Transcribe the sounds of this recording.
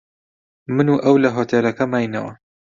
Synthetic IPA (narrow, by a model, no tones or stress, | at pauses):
mɨnuːʔɐwlɐɦoːt̪ʰelɐkɐmaːjnɐ̰wɐ̰